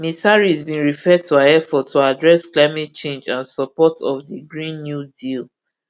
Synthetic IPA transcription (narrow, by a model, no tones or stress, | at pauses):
misaɹizbĩnɹifɛd̚tʰuaɛfɔtʰːuadɹɛsklaɪmɛt̚t͡ʃẽnd͡ʒãnsɔpɔtɔfdiɡɹĩnːjudil